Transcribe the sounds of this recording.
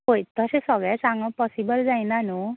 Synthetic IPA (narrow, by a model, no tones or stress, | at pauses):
ɦojt̪ɔsesɔɡɭjsaŋɡɔ̃pɔsibəld͡zajnanu